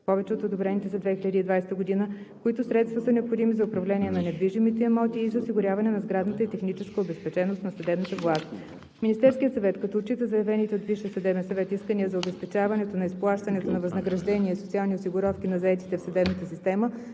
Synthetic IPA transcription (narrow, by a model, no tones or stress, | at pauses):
pɔvɛt͡ʃɛot̪od̪obɾɛnit̪ɛsɐd̪vɛxilʲəd̪əid̪vajsɛt̪əɡod̪inə | kʊit̪ʊsɾɛt̪st̪vɐsɐnɛopxod̪imizɐʊpɾɐvlɛniɛnɐnɛd̪viʒimit̪ɛːmɔt̪iːzɐʊsiɡʊɾʲjavɐnɛnɐzɡɾad̪nət̪əit̪ɛxnit͡ʃɛskəobɛspɛt͡ʃɛnost̪nɐsɐd̪ɛbnət̪əvlˠast̪ | minist̪ɛɾskʲijət̪sɐvɛt̪kɐt̪ɔot͡ʃit̪əzɐjɐvɛnit̪ɛod̪viʃiəsɐd̪ɛbɛnsɐvɛt̪iskəniəzɐʊbɛspɛt͡ʃavɐnɛt̪onɐisplˠaʃt̪ɐnɛt̪onɐvɐznəɡɾɐʒd̪ɛnʲiɛsot̪sialˠniosiɡʊɾɔfk̟inɐzɐɛt̪i̥t̪ɛfsɐd̪ɛbnət̪əsist̪ɛmə